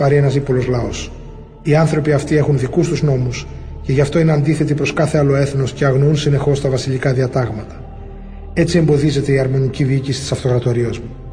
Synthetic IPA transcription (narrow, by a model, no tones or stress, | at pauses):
pɐɾie̞nɐsipo̞lo̞zlɐo̞s | iɐnθɾo̞piɐft̪ie̞xunðikust̪uzno̞mus | ce̞ʝɐft̪o̞ine̞ɐnd̪iθe̞t̪ipɾo̞skɐθe̞ɐlo̞e̞θno̞sceɐɣnounsine̞xo̞st̪ɐvɐsiʎikɐðiɐt̪ɐɣmɐt̪ɐ̥ | e̞t͡sie̞mbo̞ðize̞t̪e̞iɐɾmo̞niciðiicisit̪i̥sɐft̪o̞ɣɾɐt̪o̞ɾiɐzmu